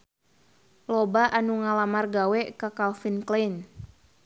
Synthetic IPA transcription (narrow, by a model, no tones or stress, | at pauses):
lɔbaʔanuŋalamarɡawɛkakalfinklen